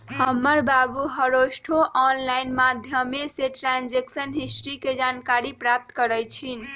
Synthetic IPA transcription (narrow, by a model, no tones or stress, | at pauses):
həmːəɾbabuɦəɾosʈʰoʔɔnlainmad̪ʱjəmeseʈɾand͡ʒeksənɦisʈɾiked͡ʒankaɾipɾap̚t̪kəɾəjt͡ʃʰin